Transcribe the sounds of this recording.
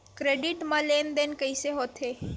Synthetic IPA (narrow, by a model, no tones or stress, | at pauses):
kɾeːɖɪʈmãleːnd̪enkəiseɦoːt̪ɦeː